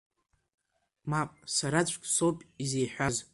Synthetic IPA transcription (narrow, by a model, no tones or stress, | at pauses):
mapʼsaɾat͡ɕʷʼkʲʼsowpʼizejħʷᶣaz